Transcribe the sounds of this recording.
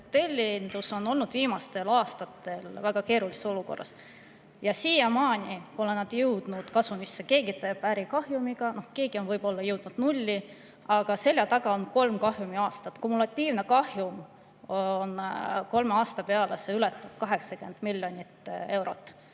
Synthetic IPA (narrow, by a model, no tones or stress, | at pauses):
t̪elʲːind̪̥uso̞no̞lnud̪̥viːmɑst̪e̞lɑːst̪ɑt̪ːe̞lvæɡ̥ɑke̞ːɾuliseso̞luko̞̰rːɑ̰s | jɑsiːjemɑːnʲipo̞lenɑd̪̥jɤwd̪̥nud̪̥kɑsumisːeke̞ːɡit̪eb̥æɾikɑhjumiɡ̥ɑno̞hke̞ːɡ̥io̞nvɤjb̥o̞lːɑjɤwd̪̥nud̪̥nulʲːi | ɑɡ̥ɑse̞lʲːjɑt̪ɑɡ̥ɑo̞nko̞lmkɑhjumiɑːst̪ɑt̪ːˑkumːulɑt̪ʲːiːvne̞kɑhjum | nko̞lmeɑːst̪ɑpe̞ɑlese̞ylɛt̪ːˑɑb̥̚kɑɦe̞ksɑkend̪̥milʲːjo̞nʲit̪ːe̞wɾo̞t̪ːˑ